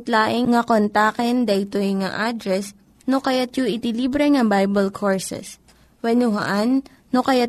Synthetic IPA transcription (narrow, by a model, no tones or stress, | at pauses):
t̪laːʔɪŋːɐkont̪aːkɛnd̪ɐʔɪt̪ojŋa̰ʔad̪ɾɛs | nokɐjat̪joʔɪt̪iliːbɾɛŋɐbajbɛlkʰoɹsɛ̰s | wɛnʊɦɐ̰ʔanː | okɐjat̪̚